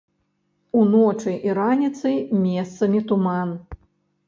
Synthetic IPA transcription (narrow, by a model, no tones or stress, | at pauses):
unɔt͡ʂɨʔiɾanʲit̪sɨjmʲɛst̪sɐmʲit̪uman